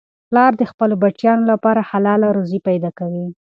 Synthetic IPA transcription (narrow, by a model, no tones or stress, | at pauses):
plɑɾd̪əxpəlobat͡ʃjɑnolapɑɾahalɑlaɾozipajd̪ɑkawi